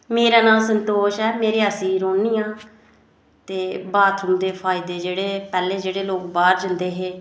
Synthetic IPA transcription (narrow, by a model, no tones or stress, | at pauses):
meːɾaːnaːsənt̪oːʃɛːmeːɾeːəsĩːɾoːniːãː | t̪eːbaːt̪ʰʊnd̪eːpʰaːɪd̪eːd͡ʒeːɽeːpɛːleːd͡ʒeːɽeːloːkbaːɾd͡ʒənd̪eːɦeː